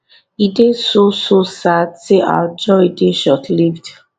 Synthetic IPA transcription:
idesososadsea̰d͡ʒɔideʃɔtʰlivd

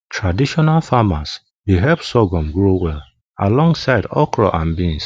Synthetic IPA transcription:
tʰɹadiʃɔnalfamas | ðeɦɛpsɔɡɔ̃mɡɹowɛl | a̰lɔ̃ŋɡsaɪdɔkɹɔ̰ʔãnbĩns

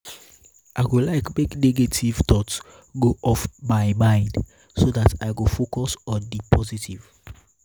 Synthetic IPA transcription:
ʔaɪɡolaɪkmekneɡetʰivt̪ɔts | ɡoʔɔfmaɪmãɪ̃nd | soðatʰaɪɡofokɔsɔ̃ndipʰɔzitʰiv̥

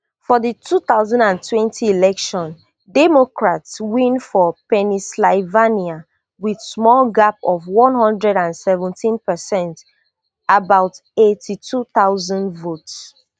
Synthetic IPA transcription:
fɔðitʰuθaʊzɔ̃ndãntʰwɛ̃ntʰiilɛkʃɔ̃n | dɛmokɹatswĩnfɔpɛnislaɪvania | wið̥smɔlɡapɔvwɔ̃nhɔ̃ndɹɛdãnsɛvə̃ntĩnpɛsɛ̃nt | abaʊtetʰitʰuθaʊzɔ̃ndvots

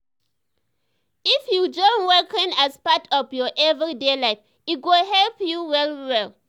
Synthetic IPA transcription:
ifjud͡ʒɔ̃nwɛkʰĩnaspatʰɔfjɔʔɛvɹidelaɪf | it̚ɡoɦɛlpjuwɛlwɛl

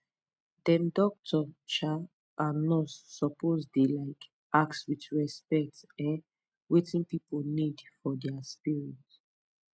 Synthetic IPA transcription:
d̥ɛ̃mdɔk̚tʰɔt͡ʃa | anɔtsɔpozdelaɪk | ʔakswitɹɛspɛk̚tɛ̃n | wetĩnpiponidfɔdɛaspiɹit

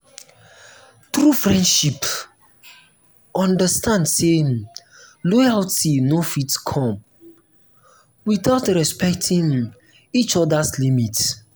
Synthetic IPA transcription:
t̪ɾufɹɛ̃ndʃip | ɔ̃ndəstãndse | lɔjaltinofitkʰɔ̃m | wiθaʊtɹɛspɛk̚tʰĩŋ | it͡ʃɔdaslimit

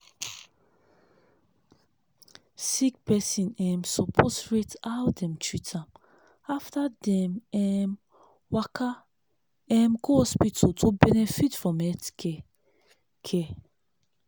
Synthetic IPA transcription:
sik̚pɛsĩnɛmsɔpʰosɹitawdɛ̃mt͡ʃɹitʰam | aftadɛmɛm | wakʰa | ɛmɡohɔspitʰotʰobɛnɛfitfɹɔ̃mɛtkɛ | kʰɛ

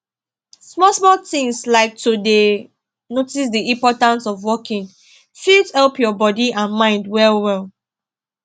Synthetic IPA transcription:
smɔsmɔtɪ̃ŋslaɪk̚tʰude | notis̬diĩmpɔtãnsɔvwɔkĩŋ | fildhɛlpjɔbɔdiʔãnmãɪ̃ndwɛlwɛlˠ

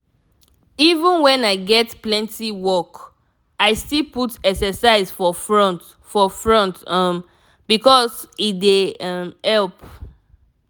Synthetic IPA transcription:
ivə̃nwɛ̃naɪɡɛtplɛ̃ntiwɔk | aɪstilputɛksəsaɪsfɔfɹɔ̃nt | fɔfɹɔ̃ntʌm | b̥ikɔsidemhɛlp̚

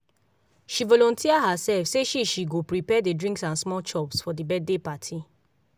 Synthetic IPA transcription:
ʃivɔlɔ̃ntʰiaɦasɛlfseʃiʃiɡopɹipɛdedɹĩŋksãnsmɔlt͡ʃɔpsfɔdibɛd̚depatʰi

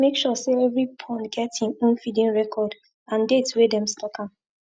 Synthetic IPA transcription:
mekʃɔseɛvɹipʰɔ̃nɡɛtĩnũnfidĩnɹɛkʰɔd | ãndetwedɛ̃mstɔkãm

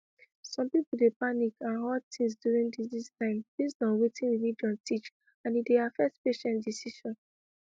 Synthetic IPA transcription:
sɔ̃mpipul̩depanikãnɦɔd̚tʰĩŋs̬djuɹĩŋdidistãɪ̃mbisdɔ̃nwetĩnɹilid͡ʒɔ̃ntʰit͡ʃ | ãnideafɛk̚tpeʃɛ̃ntdisiʃɔ̃n

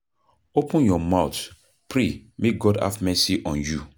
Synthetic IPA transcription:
opə̃njɔmawt | pʰɹemek̚ɡɔda̰fmɛsiʔɔ̃nju

